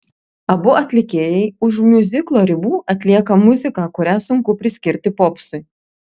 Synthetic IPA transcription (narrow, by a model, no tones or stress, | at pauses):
ɐbʊʔɐt̪ʲlʲɪkʲeːjɛɪʊʃmʲʊzʲɪklˠoːɾʲɪbuːʔɐt̪ʲlʲiɛkɐmʊzʲɪkɑːkʊɾʲæːsʊŋkʊpʲɾʲɪsʲkʲɪɾʲt̪ʲɪpɔpsʊɪ